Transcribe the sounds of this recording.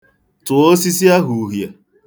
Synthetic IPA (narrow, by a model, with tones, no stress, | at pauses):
tʊ˨o˦si˦si˦a˦ɦu˨˦ɦja˨